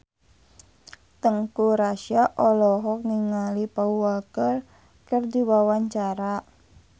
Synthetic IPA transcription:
t̪əŋkuɾaʃiaʔɔlɔɦɔk̚ŋiŋalipauwalkər | kərdiwawaɲt͡ʃaɾa

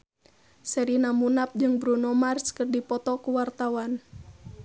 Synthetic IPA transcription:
sɛɾinamunap̚d͡ʒɨŋbɾunɔmarskərdipɔt̪ɔkuwart̪awan

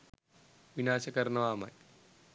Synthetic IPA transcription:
ʋinaːʃɐkɐɾnɐʋaːma̰j

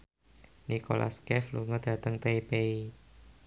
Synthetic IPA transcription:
nikolʔa̰skɛfluŋɔd̥a̤t̪əŋt̪eipei

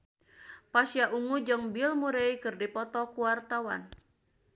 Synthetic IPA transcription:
pasjaʔuŋud͡ʒɨŋbilmuɾeikɨrdipɔt̪ɔkuwart̪awa̰n

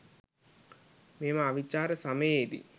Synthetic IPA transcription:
meːmaːʋit͡ʃːaːɾɐsɐmejeːd̪ḭ

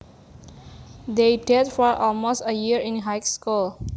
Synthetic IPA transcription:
d̪eɖedfɔɾʔɔlmoːsʈəjiəɾɪ̃nɦaɪkskul

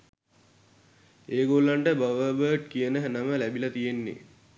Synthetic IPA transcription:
eːɡolːaɳʈəbaʋəbəːʈkijənəɦænəməlæbilɐt̪ijenːḛ

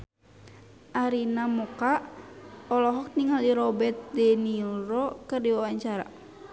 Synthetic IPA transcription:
ʔaɾinamɔka | ɔlɔɦɔk̚niŋaliɾɔbɛt̪̚dɛniɾɔkɨrdiwawaɲt͡ʃaɾa̰

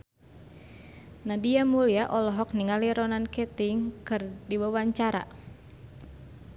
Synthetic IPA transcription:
nadiamuliaʔɔlɔɦɔk̚niŋaliɾɔnankɛt̪iŋkɨrdiwawaɲt͡ʃaɾa̰

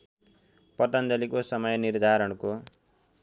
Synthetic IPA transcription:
pʌt̪ʌnd͡zʌlikosʌmʌjnird̪ʱaɾʌɽko

